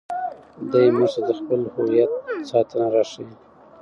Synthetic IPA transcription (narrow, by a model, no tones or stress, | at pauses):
d̪ajmuad̪əxpəlhʊwijat̪̚sɑt̪ʰənaɾɑʂiwi